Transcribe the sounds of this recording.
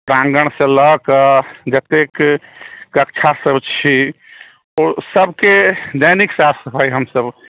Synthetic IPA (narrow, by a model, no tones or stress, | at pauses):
pɾãŋɡəɽ̃sẽləɦkəd͡ʒət̪ekː | əkt͡ʃʰasəbt͡ʃʰi | ɔɾsəbked̪əjniksasəpʰajɦəmsəb